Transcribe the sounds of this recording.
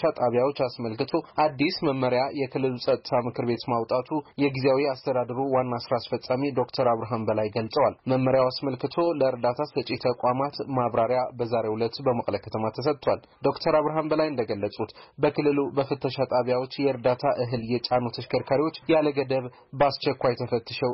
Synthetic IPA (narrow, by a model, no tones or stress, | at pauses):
ʃat̪ʼaβjawo̞t͡ʃːasməlkɨt̪ʰo̞ʔad̪ːisməmːəɾjajɛkʰɨlːɨlusʼət̪ʼːɨt̪ʰamɨkʰɨɾbe̞t̪mawt̪ʼat̪ʰujɛɡizejawiast̪ʰəd̪ad̪əɾuwanːasɾaːsfət͡sʼːamid̪o̞kt̪ʰəɾaβɾaɦanbəlajɡəlsʼəwalməmːəɾjawasməlkɨt̪ʰo̞ləɨɾd̪at̪ʰasɨt͡ʃʼːit̪ʰəkʷʼamat̪maβɾaɾjabəzaɾe̞wulət̪ːbəməkʼləkʰə̥t̪ʰəmat̪ʰəs̬ət̪ʼt̪ʰwal | d̪o̞kt̪ʰəɾaβɾaɦanbəlajɨnd̪əɡəlːəsʼut̪bəkʰɨlːɨlubəfɨt̪ʰːəʃat̪ʼaβjawo̞t͡ʃːjɛɨɾd̪at̪ʰaʔɨɦɨljɛt͡ʃʼanot̪ʰəʃkʰəɾkʰaɾiwo̞t͡ʃːjaləɡəd̪əβ | bast͡ʃɛkʷːajt̪ʰəfət̪ʰːɨʃəw